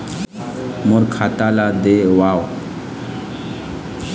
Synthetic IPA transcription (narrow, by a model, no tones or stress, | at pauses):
muɾkʰat̪alad̪eʋaw